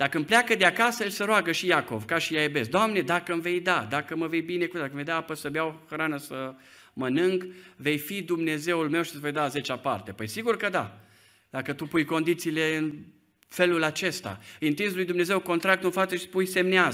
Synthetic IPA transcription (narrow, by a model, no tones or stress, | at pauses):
d̪̥akəɨmpleakəd̪eakasəjelʲsəɾoaɡəʃijako̞̰vkaʃijajibe̞sd̪oamne̞d̪akəɨmve̞jd̪ad̪akəməve̞jbine̞kud̪akəmvejd̪aapəsəbeawxɾanəsə | mənɨŋɡve̞jfid̪umne̞ze̞wulme̞wʃit̪zvo̞jd̪aze̞t͡ʃapa̰rt̪e̞pəjsiɡurkəd̪a̰ | d̪akət̪upujko̞nd̪it̪siːle̞ɨn | fe̞lulat͡ʃe̞st̪a̰ɨnt̪inslujd̪umne̞ze̞wko̞nt̪ɾak̚t̪unfat̪səʃi̥spujse̞mnea